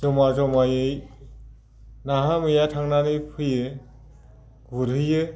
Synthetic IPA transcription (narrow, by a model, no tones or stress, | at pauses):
ɔmazɔmajɯj | naɦamɯjatʰaŋnanɯjpʰɯjɯ | ɡuɾɯjɯ